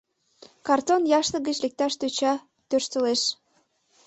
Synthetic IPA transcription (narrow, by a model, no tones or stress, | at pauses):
kɑrt̪onjɑʃt̪ə̆ɡət͡ɕlek̚t̪ɑʃt̪øt͡ɕɑ | t̪ørʃt̪ə̆leʃ